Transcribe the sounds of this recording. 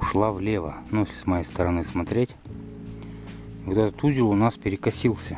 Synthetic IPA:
ʊʂlˠavlʲevə̰nujesʲlʲɪsmɐjejst̪əɾɐnɨsmɐt̪ɾʲetʲ | vot̪ɛt̪ət̪uzʲɪɾʊnaspʲɪɾʲɪkɐsʲilˠsʲə

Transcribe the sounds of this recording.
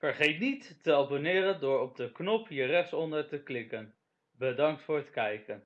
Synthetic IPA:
fəɹχejtnitːəɑlˠbonɪːɾəndʊːɹɔb̚dəknɔpɦiərɛχsɔndəɹtəklɪkən | bədɑŋk̚tfʊːɹətkɛjkən

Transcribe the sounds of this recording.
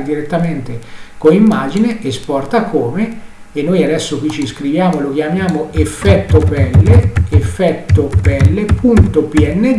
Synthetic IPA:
d̪iɾet̪ːament̪ekoimːaːd͡ʒineʔespɔrt̪akoːme | enːojad̪ɛsːokwit͡ʃːiskɾivjaːmolok̟jamjaːmoefːɛt̪ːopɛlːeefːɛt̪ːopɛlːepunt̪opiɛnːe

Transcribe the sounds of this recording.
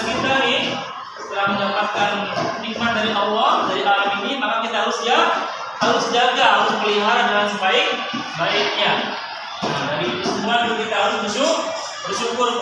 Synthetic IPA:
əɡint̪aɾi | sə̥t̪əlahməndapat̪̚kannik̚mat̪̚daɾiʔɑlːɔhdaɾiʔalaminimakakit̪aɦaɾʊsd͡ʒa | haɾʊsəd͡ʒak̪aɦaɾʊsməliɦaɾadalansəbaɪk̚baik̚ɲa | ad͡ʒaɾisəmuanlukit̪aɦaɾʊsbəsuk | bərʃukʊr

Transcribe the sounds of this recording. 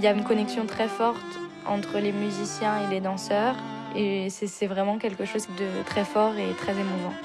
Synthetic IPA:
ljaynkɔnɛksjɔ̃t̪χɛfɔʁt̪ | ɑ̰̃t̪χəlemyzisjɛ̃eled̪ɑ̃sœːʁesɛsɛvʁɛmɑ̃kʲɛlkəʃozd̪ət̪χɛfɔʁet̪χɛzemuvɑ̃

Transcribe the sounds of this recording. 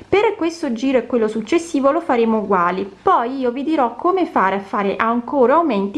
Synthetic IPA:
perkwest̪od͡ʒiːɾoɛkːwelːosut͡ʃːesːiːvolofaɾeːmouɡwaːlipɔjiːovid̪iɾɔkʰːomefaːɾafːaːɾeʔaŋkoːɾoaument̪i

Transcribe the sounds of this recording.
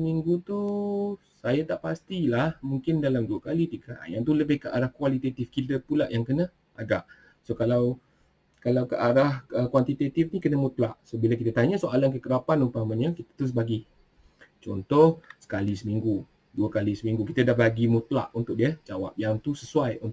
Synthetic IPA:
miŋɡut̪u | sajat̪aʔpast̪ilahmuŋkɪndalamduəkalit̪iɡaʔa̰njaŋt̪uləbɪhkəʔaɾahkuwalit̪et̪ɪfkid̪əpulaʔjaŋkənə | ʔa̰ɡaʔ | sokalaw | kalawkəʔaɾahəkwant̪it̪et̪ifnikənəmut̪laʔsobilakit̪ət̪aɲasoʔalankəkəɾapanumpaamənɲakit̪ə̥t̪əɾʊs̬baɡi | t͡ʃɔ̰nt̪ɔhsə̥kalisəmiŋɡu | duəkalisəmĩŋɡukit̪ədahbaɡimut̪la̰ʔunt̪ʊʔ̚diəd͡ʒawa̰p̚jaŋt̪usəsuajunt̪

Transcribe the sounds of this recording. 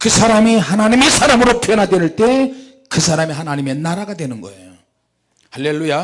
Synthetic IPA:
kɯsʰaɾamihanaɲimesʰaɾamɯɾopʰjʌnɦadwenɯɭt͈e̞ | kɯsʰaɾamiɦanaɲime̞naɾaɡadwe̞nɯnɡʌ̰ḛjo | haɭːe̞lːuja

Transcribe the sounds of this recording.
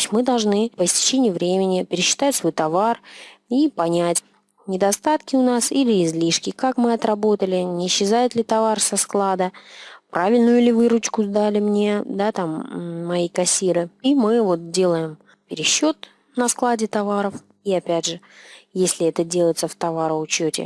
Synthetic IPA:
sʲmɨd̪ɐlˠʐnɨpəsʲtʲɪ̥t͡ɕenʲɪjʊvɾʲemʲɪnʲɪpʲɪɾʲɪɕːɪ̥t̪atʲsvo̞jt̪ɐvaripɐnʲætʲ | nʲɪd̪ɐst̪at̪kʲɪʊnasilʲɪːzlʲiʂkʲɪkakmɨɐt̪rɐbo̞t̪əlʲɪnʲɪːɕːɪzajɪt̪lʲɪt̪ɐvarsɐsklˠad̪əpɾʔavʲɪlʲnʊjʊlʲɪvɨɾʊt͡ɕkʊzd̪alʲɪmnʲe̞d̪at̪amːɐjikɐsʲiɾɨimɨvo̞t̪̚dʲe̞lˠəjɪm | pʲɪɾʲɪɕːo̞t̪ | nɐsklˠadʲɪt̪ɐvaɾəf | iɐpʲædʲʐɨ | jesʲlʲɪɛt̪ədʲelˠəjɪt̪səft̪ɐvaɾəʊt͡ɕːotʲɪ̰

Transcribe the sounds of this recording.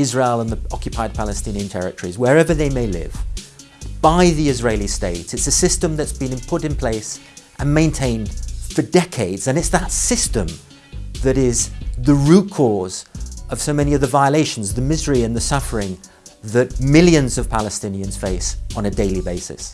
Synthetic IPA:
ɪzɹeɪlˠə̃nðiɑkjɨpʰaɪd̚pʰælˠɨstɪ̃niɨ̃ntʰɛ̰ɹɨ̰təɹ̥izwə˞ɛvə˞ðeɪmeɪlɪ̰v̥ | b̥aɪðiɪzɹeɪlˠisteɪtsɨtsɨsɪstɨ̃mðɨtsb̥ɨ̃nɨ̃npʰʊɾɨ̃npʰl̥eɪsʔɨ̃nmẽɪ̃ntʰẽɪ̃nd̥fə˞dɛkʰeɪdz̥ɨ̃nɨtsðətsɪstɨ̃m | ðɨɾɪzðɨɹʉt̚kʰɔɹzʌv̥soʊmɛniʌvðɨvaɪəleɪʃn̩zðɨmɪzə˞iɨ̃nðɨsʌfə˞ɪ̃ŋ | ðɨt̚mɪlˠjɨ̃nzʌv̥pʰælˠəstɪ̃niɨ̃nz̥feɪsn̩ɨdeɪlˠibeɪsɨ̰s

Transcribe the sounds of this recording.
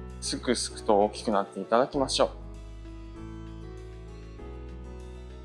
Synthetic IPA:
sɨkɯ̟sɨ̥kɯ̟̥t̪o̞oːkʲi̥kɯ̟nat̪ːe̞it̪ad̪akʲimaɕo̞ː

